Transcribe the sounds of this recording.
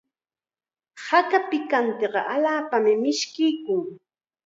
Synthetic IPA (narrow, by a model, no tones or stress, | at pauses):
hakapɪkant̪eɢɑʔaʎaːpamɪmɪʃkɪjkʊŋ